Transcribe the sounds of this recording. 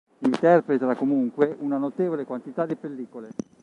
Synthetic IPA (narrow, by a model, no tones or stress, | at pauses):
int̪ɛrpɾet̪ɾakomuŋkweʔunanot̪eːvolekwant̪it̪ad̪ipelːiːkole